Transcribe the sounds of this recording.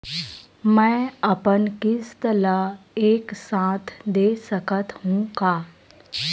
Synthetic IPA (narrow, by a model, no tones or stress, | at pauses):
mɛ̃ːəpənkɪst̪əlaeːksãːt̪ʰd̪eːsəkət̪ɦũkaː